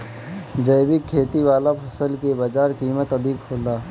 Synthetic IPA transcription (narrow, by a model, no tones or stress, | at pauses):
d͡ʒəjbɪkʰːeːt̪iwaːlapʰɐsəlkebaːd͡ʒaːɾkiːmət̪əd̪ʱɪkhʰoːlaː